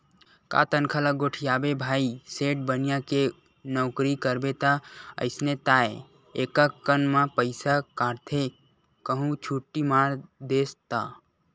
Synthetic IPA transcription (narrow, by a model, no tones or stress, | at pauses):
ka̰ːt̪ənkʰalaɡoːʈʰijaːbebʱaːiseːʈ̚bənijãke | nɔːkɾikəɾbet̪aə̰ɪsnet̪aːe | eːkakːənmãpəɪsakãːɽt̪ʰe | kəɦũt͡ʃʰuʈːimaːɾd̪eːst̪a